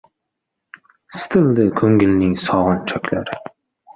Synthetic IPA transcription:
st̪ʰɨld̪ɪkʲʰɵŋɡʲɪlnɪŋsɒʁɑnt͡ʃʰœkʲlæɾ

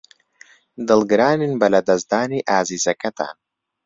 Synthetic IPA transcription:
d̪ɐlˠɡɾaːninbɐlɐd̪ɐzd̪aːniʔaːzizɐkɐt̪a̰ːn

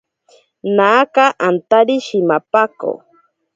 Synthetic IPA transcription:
naːkaʔant̪aɾiʃɪmapako̰

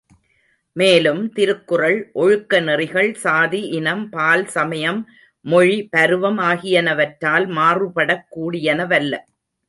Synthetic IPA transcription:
meːlɯmt̪ɪɾɯkːɯrɐɭʔɔɻɯkːɐnɪrɪɣɐɭsaːðiʔɪnɐmpaːlsɐmɐjɐmː | ɔɻipɐɾɯʋɐmaːɣɪjɐnɐʋɐʈɾaːlmaːrɯpɐɽɐkːuːɽɪjɐnɐʋɐlːɐ̰

